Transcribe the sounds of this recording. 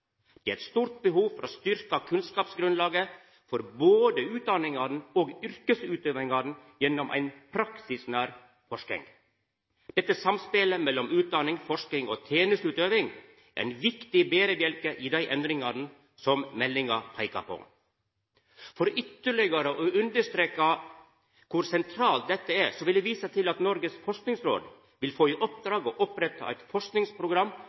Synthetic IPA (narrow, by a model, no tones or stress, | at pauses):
d̪̥ɛːæɛt̪st̪uːɾt̪̚bəɦuːfɔɾʔoːst̪ʏɾkɑkʰʉnskɑːpsɡɾʉnlɑːɡə | fɔɾboːd̪əʉːt̪̚d̪ɑnɪŋɑd̪n̩oːɡʏɾkəsʉːt̪øːʋɪŋɑd̪n̩jɛnːɔmʔæ̰ɪnpʰɾɑksɪsnæːɾ | fɔʂkɪ̰ŋ | d̪̥ɛt̪ːəsɑmspeləmɛlːɔmʉːt̪̚d̪ɑnɪŋfɔʂkɪŋoːt̪ʰeːnəst̪ʉːt̪øːʋɪŋ | ʔæ̰ɪnʋɪkt̪ɪbeːɾəbjɛlkəʔɪd̪æɪʔɛnd̪ɾɪŋɑɾnə | sɔmmɛlːɪŋɑpʰɑɪkɑ̰pʰɔ̰ŋ | fɔɾʏt̪ːəɭɪɡəɾəʔɔʉnd̪əʂt̪ɾeːkɑ | kʰʊɾsɛnt̪ʰɾɑːlt̪̚d̪ɛt̪ːəæɾsɔʋɪld̪ɛʋiːsɑt̪ʰɪlɑt̪nɔɾɡəsfɔʂknɪŋsɾo̰ːd̪ | ʋɪlfoːiʔɔp̚d̪ɾɑːɡɔʔɔpɾɛt̪ʰːɑ̰æ̰ɪt̪fɔʂknɪŋspɾʊɡɾɑmː